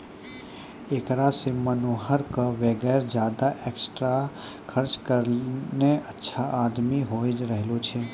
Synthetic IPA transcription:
eːkɾasemənoːɦəɾkəʋeɡɛːɾd͡ʒjaːd̪aʔeːksʈɾa | kʰəɾt͡ʃkəɾneətːʃʰaʔaːd̪miɦoːd͡ʒɾəɦlot͡ʃʰeː

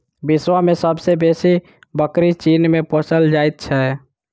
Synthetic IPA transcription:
biswamesəbsebesi | bəkɾit͡ʃinmepõsəld͡ʒajt̪̚t͡ʃʰɛ

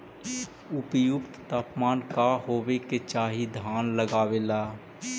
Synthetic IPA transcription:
ʊpjʊkt̪t̪aːpmaːnkaɦoːweket͡ʃaːɦid̪ʱaːnləɡaːweːlaː

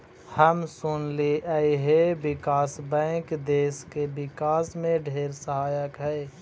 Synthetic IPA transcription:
həmsʊnliʔəiɦebɪkaːsbɛ̃ːkd̪eːskebɪkaːsmẽɖʱeːɾsəɦaːjəkɦɛː

